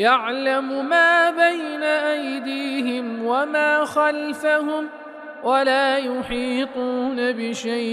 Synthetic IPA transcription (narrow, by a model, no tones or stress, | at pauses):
jaʕlamʊmaːbajnaʔajd̪iːɦɪmwamaːxalfaɦʊm | walaːjʊħiːt̪ˤuːnabɪʃaj